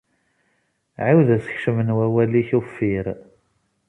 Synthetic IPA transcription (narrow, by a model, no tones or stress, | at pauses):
ʕawðæsə̥çʃəmənwæwæliçufːiɾ